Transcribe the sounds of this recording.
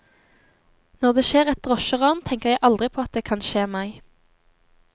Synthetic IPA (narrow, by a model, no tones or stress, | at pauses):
nɔʁd̪eːʃeːʁɛt̪̚d̪ʁɔʃəʁɑːnt̪ʰɛŋkəʁjæɪʔɑld̪ʁɪpʰoːɑt̪̚d̪eːkʰɑnʃeːmæɪ